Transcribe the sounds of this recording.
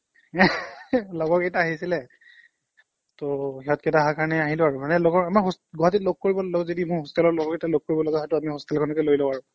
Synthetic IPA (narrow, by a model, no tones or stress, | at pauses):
lɔɡɔɹkejtaaɦisilɛ | tohɛɔtketaɦakaɹnɛaɦilʊaɹʊmanɛloɡɔɹamaɹɦosɡɔɦatitloɡ̚koɹibɔlɔɡɛzodimʊɹɦostalɔlɔɡɔketaloɡ̚koɹibɔlɔɡɛɦɔjtʊamiɦostɛlkʰɔnɔkɛlojlɔaɹʊ